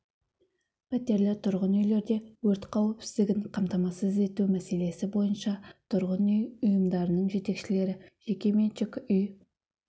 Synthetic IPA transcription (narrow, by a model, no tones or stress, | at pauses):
pʰæt̪e̞ɾlɪt̪ʰʊɾʁənʏjle̞ɾd̪e̞wɵɾt̪qʰɑwepsɪzd̪ɪɡʲɪɴqʰɑmt̪ɑmɑsəze̞t̪umæse̞le̞sɪbo̞jənʃɑt̪ʰʊɾʁənʏjʊjəmd̪ɑɾənəɴʒe̞t̪e̞kʃɪle̞ɾɪʒ̥e̞kʲe̞ment͡ʃɪkʏj